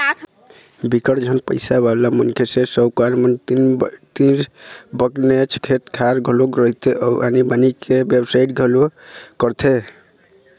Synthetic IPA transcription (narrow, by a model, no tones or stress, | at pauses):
bikəɽd͡ʒʱənpə̰ɪsabalamənkʰesẽsəwkaɾmənnt̪ibəknet͡ʃʰkʰeʈ̪kʰaɾɡʱəloɡɾəɦit̪ʰeʔɔʔa̰nibanikebjebsaiʈɡʱəlokəɾt̪ʰe